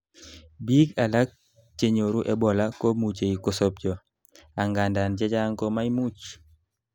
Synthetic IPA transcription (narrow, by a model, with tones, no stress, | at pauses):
bi˦ka˨la˦k̚ | t͡ʃe˨ɲo˨ɾu˦ʔɛ˦bɔ˨la˦ko˦mu˨t͡ʃe˨i˨kɔ˨˦sɔ˦p̚d͡ʒɔ˨ | a˨ŋɡa˨nda˨nd͡ʒɛ˦d͡ʒa˦ŋkɔ˦ma˦i˦mu˦t͡ʃ